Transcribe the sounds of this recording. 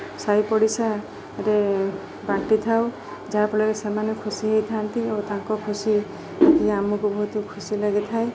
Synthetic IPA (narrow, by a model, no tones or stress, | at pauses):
sajpɔɽisa | ɾe | baʈit̪ʰaw | d͡ʒaapɔɭɔesemanekʰusiɦejt̪ʰant̪iet̪ãŋkɔkʰusi | ɔt̪iamukubɔɦut̪ukʰusilaɡit̪ʰae